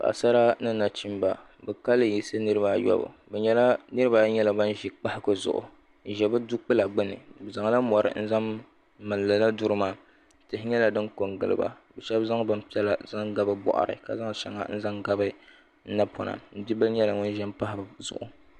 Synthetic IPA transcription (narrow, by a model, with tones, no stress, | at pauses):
ba̰˨ʔsa˦ɾa˦nɨ˦na˨t͡ʃi˦mba˨ | bɛ˨ka˦lɨ˦ji˨sɨ˦nɨ˦ɾɨ˦ba˨jɔ̰˦bɨ̰˨bɛ˨ɲɛ˦la˦nɨ˦ɾɨ˦baː˨˦ɲɛ˦la˨ba˦n˦ʒi˦k͡pa˦hɪ˦kɨ˦zʊ̰˨ʔʊ̰˨ | ʒɛ˨bɨ˦du˦k͡pɨ˦la˨ɡ͡bɨ˦nɨ̰˨bɛ˨za˨ŋ˦la˦mɔ˨ɾɨ̰˨n̩˦za˦m | mɨ˨llɨ˨la˦du˦ɾɨ˦maː˨ | tɨ˨hɪ˦ɲɛ˦la˨dɨ˦ŋko˨ŋɡɨ̰˨lɨ̰˨ba̰˨bɛ˨ʃɛ˦bza˦ŋ˦bɨ˦m˦pi˦ɛ˦la˦za˦ŋɡa˦bɨ˦bɔ̰˨ʔa̰˨ɾɨ̰˨ka̰˨za˦ŋ˨ʃɛ̰˨ŋa̰˨˦n̩˦za˦ŋɡa˦bɨ˦ | na˦pʰɔ˨na̰˨n̩˨di˦bɨ˦ɲɛ˦la˨ŋʊ˦n˦ʒɛ˦mpa˦hɪ˦bzʊ̰˨ʔʊ̰˨